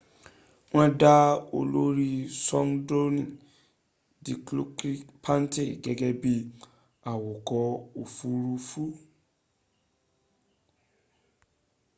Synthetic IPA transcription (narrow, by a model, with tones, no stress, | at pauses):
w̃ɔ̃˦da˦o˧lo˦ɾi˦sɔ̃˦ŋdo˦nĩ˨ | di˨klo˦kɾi˦pʰã˦nte˨ɡɛ˨ɡɛ˦bi˧ | a˨wo˨kɔ˨˦o˨fu˨˦ɾu˧fu˦